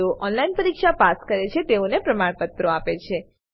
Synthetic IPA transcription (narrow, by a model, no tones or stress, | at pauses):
oʔɔnlainpəɾikʃapaskəɾet͡ʃʰet̪eonepɾəmaɽpət̪ːɾoapet͡ʃʰe